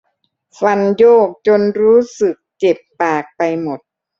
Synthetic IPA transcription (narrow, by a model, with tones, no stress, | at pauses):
fa˧njoː˥˩k̚t͡ɕo˧nɾuː˦˥sɯ˨˩k̚t͡ɕe˨˩pːaː˨˩k̚pa˧jmo˨˩t̪̚